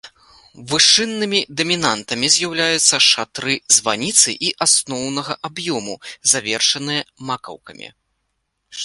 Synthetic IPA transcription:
vɨʂɨnːɨmʲid̪ɐmʲinant̪ɐmʲizʲjawlʲajut̪sːɐʂat̪ɾɨzvanʲit̪sɨ̰ʔiʔasnɔwnɐɣɐʔabjɔmuzavʲɛrʂɐnɨjɐmakɐ̰wkɐ̰mʲḭ

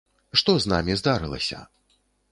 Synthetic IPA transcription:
ʂt̪ɔzna̰mʲizd̪aɾɨlˠɐ̰sʲɐ̰

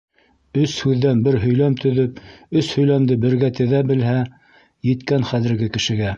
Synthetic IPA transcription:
ɵshʉðːænbɘɾɦɵ̆jlæmt̪ɵ̆ðɵpɵshɵ̆jlæmd̪ɘbɘ̆ɾɡæt̪ɘ̆ðæbɘ̆lɦæ | jɘ̆t̪kænχæðɘ̆ɾɡɘkɘ̆ʃɘ̆ɡæ

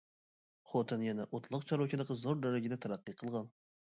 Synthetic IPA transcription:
χot̪ʰɨnjɛnɛʔot̪ʰlˠʊqt͡ʃʰɑɾokʰʲid̪əqʰəzoɾd̪æɾɪɡʲɪd̪ɛt̪ʰæɾæqːɨqʰəlˠʁɑn

